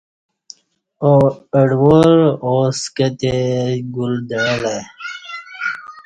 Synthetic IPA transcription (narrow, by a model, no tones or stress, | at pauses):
oəɖwoɾoskət̪eɡuld̪əla